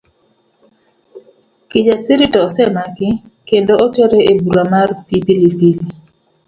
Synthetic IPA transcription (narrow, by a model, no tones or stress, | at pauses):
kɪd͡ʒasiɾitɔsɛmakɪkendootoɾeebuɾamarpipilipili